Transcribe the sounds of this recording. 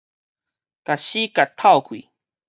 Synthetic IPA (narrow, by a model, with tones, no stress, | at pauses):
ka˨ɕi˦ka˨t̪ʰːa˥wkʷḭ